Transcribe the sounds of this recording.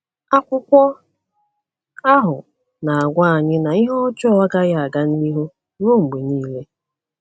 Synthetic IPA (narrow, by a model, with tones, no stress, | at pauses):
a˦kʷʊ˦kʷɔ˦ | a˦ɦʊ˨ | na˨a˨ɡʷa˦a˨ɲɪ˦na˨i˦ɦɔ˦ɔ˦t͡ʃɔ˦a˦ɡa˦ɣa˦˨a˨ɡa˦n˦i˦ɦo˦ | ɾo˦˨ŋ͡m̩˨ɡ͡be˨ɲiː˦le˦